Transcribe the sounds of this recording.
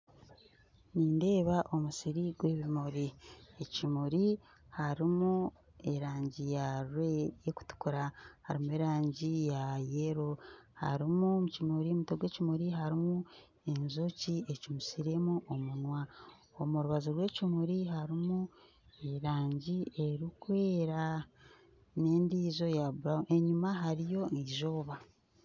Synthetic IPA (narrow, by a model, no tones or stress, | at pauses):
niːnde̞ːβaʔo̞musiɾiɡwe̞ːβimuɾiecimuɾi | haɾimu | e̞ɾaːɲɟijaɾwejeku̥tu̥kuɾahaɾimue̞ɾaːɲɟijajeɾoha̰ɾimumucimuɾimutoɡwe̞ːcimuɾiɦaɾimu | e̞nzocie̞cimusiɾe̞muʔomunwa | omuɾuβazoɾwe̞ːcimuɾiɦaɾimu | eɾaːɲɟie̞ɾikwe̞ːɾa | ne̞ːndiːzo̞jaβuɾaʔeɲumaɦaɾijo̞iʒoːβa